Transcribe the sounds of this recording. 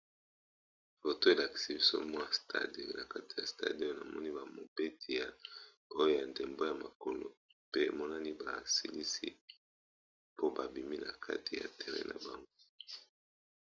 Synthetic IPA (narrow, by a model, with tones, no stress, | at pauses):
fo˨to˦e˨la˨ki̥˨si˦bi˦so̰˦mɔ˦a˨stʰa̰˦de˦˨o˨na˨ka˦ti̥˨ja̰˨sta̰˦˨do˦o˦na˨mɔ̰˦ni˦ba˨mo˨pe˦tʰi˨ja˨ | o˦jo˦ja˨nde˨mbo˦ja˨ma˨ko˨lo̰˨ | pe˦˨mɔ˦na˦ni˦ba˨sḭ˦li˦sḭ˦ | po˦ba˨bi˨mi˦na̰˨kʰa̰˦tʰi˨ja̰˨tʰɛ˨ʁɛ̰˦nʔa̰˨ba˨ŋɡo˦